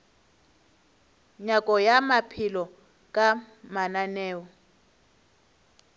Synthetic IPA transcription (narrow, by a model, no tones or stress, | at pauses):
ɲakʼɔjamapʰilɔ | kʼa | mananɛːwɔ